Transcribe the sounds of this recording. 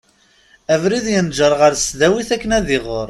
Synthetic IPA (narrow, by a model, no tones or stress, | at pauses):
ævɾiðjənd͡ʒəɾˤʁəɾsðæwiθækːənæðɪʁoɾˤ